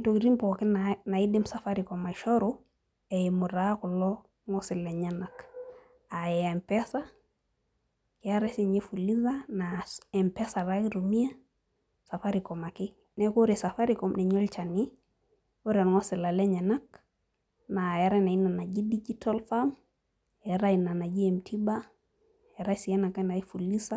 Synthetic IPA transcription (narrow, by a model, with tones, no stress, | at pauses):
tokɾi˦mpoki˦nana˨i˦dimsafaɾikoma˨ʃoɾu | ejimu˨ɾaku˨lɔ | ŋosi˨leɲanak | ajɛempesa | kijaɾesiɲe˦fu˨liðanaɛmpɛsa˨ɾakiɾumi˦a˦ | sa˨fa˦ɾikɔ˨ma˨kɪ˦ | nɛ˦ko˦ɾi˨sa˨fa˦ɾikɔmnɛ˨ɲo˦lt͡ʃa˨ni˦ | o˦ɾɛ˨n˨ŋɔ˦sɪ˨la˨le˦ɲa˨na˦k | na˨jɛ˨ɾa˦na˨i˦na˨na˨d͡ʒi˦di˦d͡ʒita˦lfam | ɛ˨ɾa˦i˨na˨na˨d͡ʒi˦emtʰi˦ba˦ | ɛ˨ɾa˦si˨e˦na˨ka˦na˨i˦fu˨li˦sa˦